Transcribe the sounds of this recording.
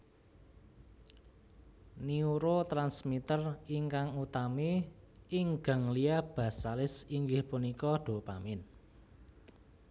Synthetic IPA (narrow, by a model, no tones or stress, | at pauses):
niuɾot̪ɾansmit̪əriŋkaŋut̪ameɪŋɡ̥a̤ŋliab̥ä̤salɪsiŋɡɪhpunikɔɖ̪̥o̤pa̰mɪn